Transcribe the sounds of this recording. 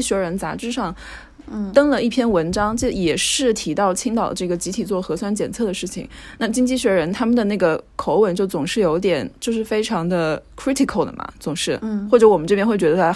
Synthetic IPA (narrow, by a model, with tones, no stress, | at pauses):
i˥ɕɥɛ˧˥ɻə˧˥nt͡sa̰˧˥ʈ͡ʂɻ̩˥ʂɑ˥˩ŋ | t̪ɤ˥ŋlə˨i˥˩pʰjɛ˥˩nwə˧˥nʈ͡ʂɑ˥ŋt͡ɕo˥˩jɛ˨˩ʂɻ̩˥˩t̪ʰi˧˥t̪ɑ˥˩ʊt͡ɕʰi˥ŋt̪ɑ˨˩ʊd̪ə˦˧ʈ͡ʂɤ˥˩ɡə˩t͡ɕi˧˥t̪ʰi˨˩t͡swɔ˥˩xɤ˧˥swa˥nt͡ɕjɛ˨˩nt͡sʰɤ˥˩d̪ə˩ʂɻ̩˥˩t͡ɕʰḭ˨˩ŋna˥˧t͡ɕi˥ŋt͡ɕi˥˧ɕɥɛ˧˥ɻə˧˥nt̪ʰa˥mə˨nd̪ə˩na˥˩ɡə˩kʰo˧˥ʊwə˧˥˩nt͡ɕjo˥˩ʊt͡sʊ˨˩ŋʂɻ̩˥˩jo˧˥ʊt̪̬jɛ˨˩˦nt͡ɕjo˥˧ʊʂɻ̩˥˩fe˥ɪʈ͡ʂʰɑ˧˥ŋd̪ə˧kʰɹi˥t̪ʰi˨˩kʰə˥˩ʊd̪ə̰˩mɐ̰˩t͡sʊ˨˩ŋʂɻ̩˥˩wɔ˥˩ʈ͡ʂɤ˧˥wɔ˨˩mə˦nʈ͡ʂɤ˥˩pjɛ˥xwe˥˩ɪɥɛ˧˥ə˧˥